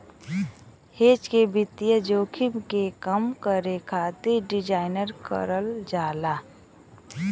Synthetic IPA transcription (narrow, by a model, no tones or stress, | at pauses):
heːt͡ʃkebɪt̪ijəd͡ʒoːkʰɪmkekəmkəɾekʰaːt̪iɖɪd͡ʒaːɪnəɾkə̰ɾəld͡ʒaːlaː